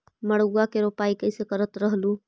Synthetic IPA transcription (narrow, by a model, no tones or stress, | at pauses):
məɽuɡakeɾopaikəɪsekəɾət̪ɾəɦlu